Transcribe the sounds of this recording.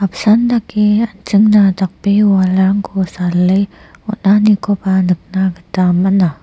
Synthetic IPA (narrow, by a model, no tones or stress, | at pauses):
apsandakiant͡ʃəŋnat̪ak̚piwalaŋkʰusaləj | unahnikopanək̚naɡət̪amana